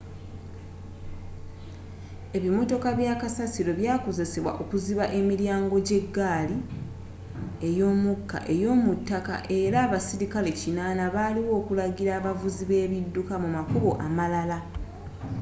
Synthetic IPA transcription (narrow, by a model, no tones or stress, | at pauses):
e̞βimo̞to̞kaβjaːkasasiɾo̞βjaːko̞ze̞se̞βwa̰ʔo̞kuziβaʔe̞miɾjaːŋɡo̞ɟe̞ɡːaːli | e̞jo̞ːmukːa̰ʔe̞jo̞ːmutːaka̰ʔe̞ɾaːβasiɾikale̞cinaːnaβaːliwo̞ːkulaɟiɾaːβavuziβe̞ːβidːukamumakuβo̞ʔamalala